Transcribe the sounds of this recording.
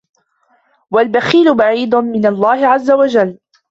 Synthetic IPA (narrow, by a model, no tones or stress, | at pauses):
walbaxiːlʊbaʕiːd̪ʊnmɪnalˤːɑːhɪʕazːawad͡ʒalː